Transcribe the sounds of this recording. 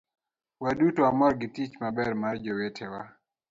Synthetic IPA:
waɗutɔamɔɾɡitit͡ʃmabɛɾmad͡ʒɔwɛtʰɛwa

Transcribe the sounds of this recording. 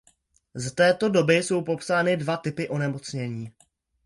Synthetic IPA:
zat̪ɛːt̪o̞do̞bɪso̞wpo̞psaːnɪdvat̪ɪpɪʔo̞nɛmo̞t͡sɲɛɲiː

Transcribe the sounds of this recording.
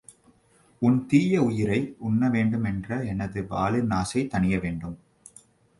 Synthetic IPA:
ʊnt̪iːjɐʊjɪɾɐɪʊnːɐʋeːɳɖɯmɛndrɐɛnɐðɯʋa̰ːlɪnaːsɐɪt̪ːɐɳɪjɐʋeːɳɖɯm

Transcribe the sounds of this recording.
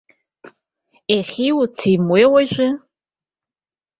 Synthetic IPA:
eχʲiːwt͡sʰimweːwɐɕʷɪ

